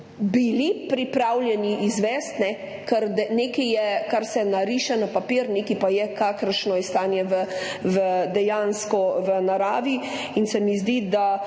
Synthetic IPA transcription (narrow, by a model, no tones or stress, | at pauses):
bilipɾipɾawljɛniʔizʋɛst̪nɛ | kəɾd̪ɛnekijɛkaɾsɛnaɾiʃanapapiɾneːkipajɛkaːkəɾʃnɔist̪aːnjɛʋəʋəd̪ɛjaːnskɔʋənaɾaːʋi | insɛmizd̪id̪a